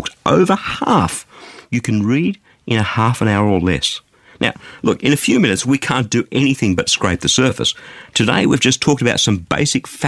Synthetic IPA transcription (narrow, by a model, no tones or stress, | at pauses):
k̚tʔo̰ʊvə˞hæfjɨkʰɨ̃n̩ɹiɾ | ʔɨ̃ñɨhæfə̃ñaʊə˞ə˞lɛ̰s | na̰ʊlʊkɨ̃ñɨfjʉmɪ̃nɨtswikʰæ̃nd̥ɨʔɛñiθɪ̃ŋbʌtskɹeɪp̚ðɨsɜ˞fɨ̰stʰɨdeɪwivd͡ʒʌstʰɔk̚təbaʊtsʌ̃mbḛɪsɨkf